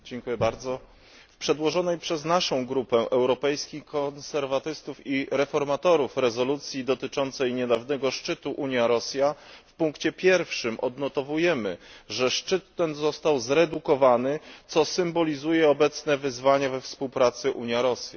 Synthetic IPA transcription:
d͡ʑɛŋkujɛbaɾd̪zɔ | fpʂɛd̪wɔʐɔnɛjpʂɛznaʂɔ̃w̃ɡɾupɛʔɛwɾɔpɛjskʲikɔnsɛɾvat̪ɘst̪ufiɾɛfɔɾmat̪ɔɾufɾɛzɔlut̪sʲjid̪ɔt̪ɘt͡ʂɔnt̪sɛjɲɛd̪avnɛɡɔʂt͡ʂɘt̪uʔuɲjaɾɔsʲjafpuŋkt͡ɕɛpʲjɛɾfʂɘmʔɔ̰d̪nɔt̪ɔvujɛmɘʐɛʂt͡ʂɘt̪ːɛnzɔst̪awzɾɛd̪ukɔvanɘt̪sɔsɘmbɔlʲizujɛɔbɛt̪snɛvɘzvaɲavɛfspuwpɾat̪sɘʔuɲjaɾɔsʲja

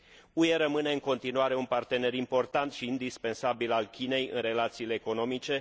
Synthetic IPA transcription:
ue̞ɾəmɨne̞ɨŋko̞nt̪inuaɾe̞unpart̪e̞ne̞ɾimpo̞rt̪ant̪ʃiːnd̪ispe̞nsabilalkʲine̞jɨ̰nre̞lat̪siːle̞ːko̞no̞mit͡ʃe̞

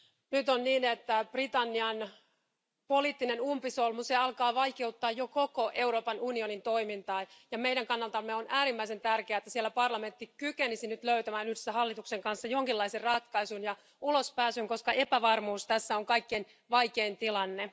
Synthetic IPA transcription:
nyt̪onniːnet̪ːæprit̪ɑnːiɑn | poliːt̪ːinenumpisolmut̪seɑlkɑːʋɑikeut̪ːɑːjjokokoʔe̞uɾo̞ːpɑnunio̞nint̪o̞imint̪ɑːjɑmeiɾæŋkɑnːɑlt̪ɑmːeonʔæːɾimːæise̞nt̪ærkeæːet̪ːæsielːæpɑrlɑme̞nt̪ːikykenisinyt̪løyt̪æmæːnyhdesːæɦɑlːit̪ukseŋkɑnsːɑjoŋkilːɑiserrɑt̪kɑisunjɑ | ulospæːsyŋko̞skɑʔe̞pæʋɑrmuːst̪æsːæoŋkɑikːen | ʋɑjkeːnt̪ilɑnːe

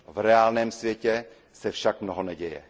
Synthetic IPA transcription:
vɾɛaːlnɛːmsvjɛcɛ | sɛfʃakmnoɦonɛɟɛjɛ̰

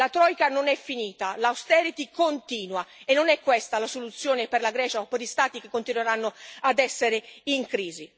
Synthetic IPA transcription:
lat̪ɾɔjkanonɛfːiniːt̪alawst̪ɛɾit̪ikont̪iːnwaenːonɛkːwɛst̪alasolut̪sːjoːneperlaɡɾɛːt͡ʃaɔpːeɾʎist̪aːt̪ik̟ekːont̪inweɾanːoad̪ɛsːeɾeiŋkɾiːzi

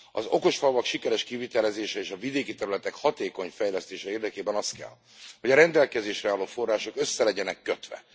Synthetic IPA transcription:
ɒ̰zo̞ko̞ʃfɒlvɒkʃikɛɾɛʃkivit̪ɛlɛzeːʃɛeːʃɒvid̪eːkit̪ɛɾylɛt̪ɛkhɒt̪eːko̞ɲfɛjlɛst̪eːʃɛeːrd̪ɛkeːbɛnɒst̪̚kɛ̰l | ho̞ɟɒɾɛnd̪ɛlkɛzeːʃrɛɔloːfo̞rːaːʃo̞køsːɛlɛɟɛnɛkːøt̪ʋɛ̰

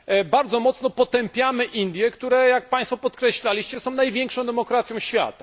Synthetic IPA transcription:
baɾd̪zɔmɔt̪snɔpɔt̪ɛmpʲjamɘʔind̪ʲjɛkt̪uɾɛjak̚pãjst̪fɔpɔt̪kɾɛɕlalʲiɕt͡ɕɛsɔ̃w̃najvʲjɛŋkʂɔ̃d̪ɛmɔkɾat̪sʲjɔ̃w̃ɕfʲja̰t̪ḁ

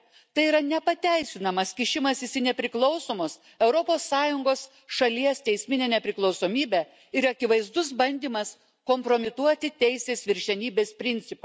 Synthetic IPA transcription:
t̪ɐɪiːɾɐnʲɛpɐt̪ʲæɪsʲɪnɐmɐskʲɪʃʲɪmɐsɪsʲɪnʲɛpʲɾʲɪklˠɒʊsoːmos | ɛʊɾopoːsːɑːjʊŋɡoːs | ʃɐlʲiɛst̪ʲɛɪsʲmʲɪnʲeːnʲɛpʲɾʲɪklˠɒʊsoːmʲiːbʲɛ | ɪɾɐkʲɪʋɐɪzd̪ʊsbɐnʲd̪ʲiːmɐs | koːmpɾoːmʲɪt̪uɔt̪ʲɪt̪ʲɛɪsʲeːsʋʲɪɾʲʃʲɛnʲiːbʲeːspʲɾʲɪnʲsʲɪpɑ

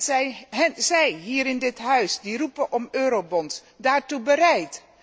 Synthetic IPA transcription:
zɛjɦzɛjɦiːɾɪndɪtɦœɥsdirupəʔɔmøːɾowbɔns | daːɹtubəɾɛjt

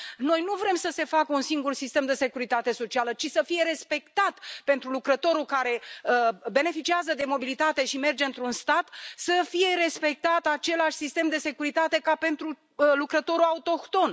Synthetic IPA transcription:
no̞jnuvɾe̞msəse̞fakəunsiŋɡursist̪e̞md̪e̞se̞kuɾit̪at̪e̞so̞t͡ʃialət͡ʃisəfije̞ɾe̞spe̞kt̪at̪pe̞nt̪ɾulukɾət̪o̞ɾulkaɾe̞əbe̞ne̞fit͡ʃiazəd̪e̞mo̞bilit̪at̪e̞ʃime̞rd͡ʒeɨnt̪ɾunst̪at̪səfije̞ɾe̞spe̞k̚t̪at̪at͡ʃe̞laʃʲsist̪e̞md̪e̞se̞kuɾit̪at̪e̞kape̞nt̪ɾu | lukɾət̪o̞ɾuaut̪o̞kt̪o̞n

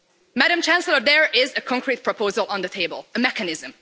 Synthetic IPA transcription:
mæɾə̃mt͡ʃæ̃nsl̩ˠə˞ðɛɹʔɪzɨkʰɔ̃ŋkʰɹit̚pʰɹ̥əpʰoʊzəlˠə̃nðətʰeɪbə̰lˠəmɛkɨnɪzə̃m

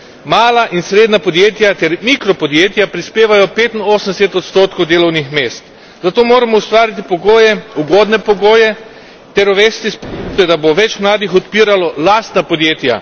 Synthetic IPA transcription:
maːlaʔinsɾeːd̪napɔd̪jeːt̪jat̪ɛɾmikɾɔpɔd̪jeːt̪japɾispeːʋajɔpeːt̪inoːsənd̪ɛsɛt̪ɔt̪st̪oːt̪kowd̪eːlɔwnixmeːst̪ | zat̪oːmoːɾamɔust̪ʋaːɾit̪̬ipɔɡoːjɛuɡoːd̪nɛpɔɡoːjɛ | t̪ɛɾɔʋɛːst̪ispt̪ɛd̪aboʋɛt͡ʃmlaːd̪ixɔt̪piːɾalɔlaːst̪napɔd̪jeːt̪ja̰

